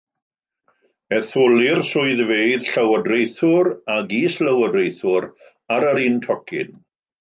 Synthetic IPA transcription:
ɛθʊlɪrsʊɨðveɨð̥ɬəwədrejθʊɾaɡisləwədrejθʊɾ | aɾəɾiːntʰɔkʰɪ̰n

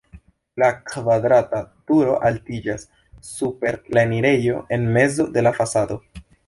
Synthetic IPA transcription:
lakvadɾatatuɾo̞ʔaltid͡ʒasː | upe̞ɾlaniɾe̞jo̞̰ʔe̞nme̞zo̞de̞lafasado̞

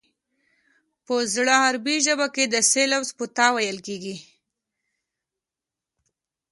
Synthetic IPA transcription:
pəzɽəhaɾbiʒəbaked̪əselawzpət̪ɑwajəlkeɡi

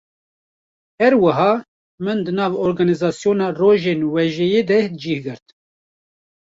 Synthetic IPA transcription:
hɛɾwɨɦɑː | mɨnd̪ɨnɑːvɔɾɡɑːnizɑːsijoːnɑːroːʒeːnwɛʒɛjeːd̪ɛd͡ʒiːhɡɨɾt̪

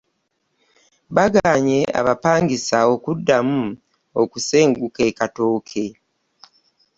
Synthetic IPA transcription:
βaɡaːɲe̞ʔa̰βapaːŋɡisao̞kudːamu | okuse̞ːŋɡuke̞kato̞ːkʰe̞

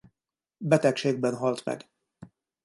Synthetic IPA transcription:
bɛt̪ɛkʃeːɡ̚bɛnɦɒlt̪mɛ̰ɡ

